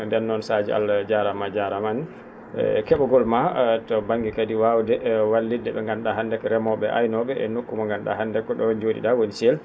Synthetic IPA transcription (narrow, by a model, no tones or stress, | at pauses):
ndɛnːɔnsad͡ʒɛ̰a̰ld͡ʒaɾamad͡ʒaɾaman̰ | kɛɓɔɡɔlmatɔbaŋɡikadiwawdɛwalːidːɛɓɛŋɡanɗaɦandɛkɔɾɛmɔɓɛʔa̰jnɔɓɛʔɛnokːumaŋɡanɗa̰handɛkːɔɗɔnd͡ʒoːdḭɗawonisɛl